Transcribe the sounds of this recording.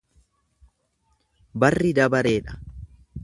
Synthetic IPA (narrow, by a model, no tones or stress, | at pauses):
bɐrːɪd̪ɐbɐɾe̞ːᶑɐ̥